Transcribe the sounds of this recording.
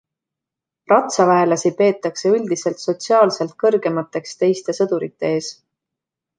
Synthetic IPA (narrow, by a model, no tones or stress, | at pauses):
rɑt̪sɑvæelɑsipe̞ːt̪ːˑɑkse̞ylʲd̪̥ise̞lt̪so̞t̪siɑːlse̞lt̪̚kɤrɡ̥e̞mɑt̪ːˑe̞kst̪e̞jst̪e̞sɤd̪̥uɾit̪ːe̞e̞ːs